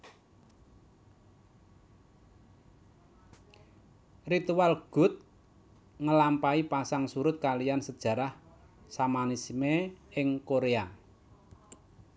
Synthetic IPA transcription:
rit̪uwalɡ̥ʊ̤t̪̚ | ŋəlampaipasaŋsuɾʊt̪̚kalijansəd̥ʒ̥ä̤ɾah | samanisimeɪŋkoɾea

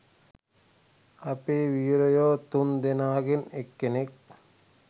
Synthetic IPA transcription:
ɐpeːʋiːɾojoːt̪und̪enaːɡenekːenek̚

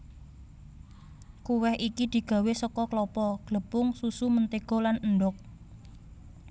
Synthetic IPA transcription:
kuwɛhikid̪̥i̤ɡ̥ä̤wesɔkɔklɔpɔɡ̥ləpʊŋsusumənt̪eɡ̥ɔ̤lanəɳɖɔk̚

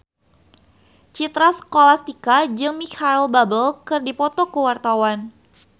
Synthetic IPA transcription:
t͡ʃit̪ɾasə̥kolast̪ikad͡ʒɨŋmikʰailbabəlkɨrdipɔt̪ɔkəwart̪awan

